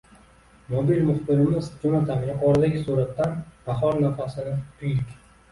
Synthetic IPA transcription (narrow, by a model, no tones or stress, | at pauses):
mɒbilmʊχbɪɾɪmɪzd͡ʒʊnat̪ʰamɪjʲɪqʰɒɾd̪aɡʲɪsuɾat̪ːanb̥aχɒɾnafasɪnɪt̪ʰʊjlɪkʲ